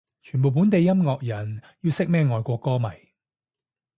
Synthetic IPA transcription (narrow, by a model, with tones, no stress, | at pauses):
t͡ʃʰyː˨˩np̬o˨wp̬u˨˥nt̪e˨˧jːɐ˥mŋɔː˨k̚jɐ˨˩n | ji˧wsɪ˥k̚mɛː˥ŋɔː˨˧jkʷɔː˧kːɔː˥mɐ˨˩j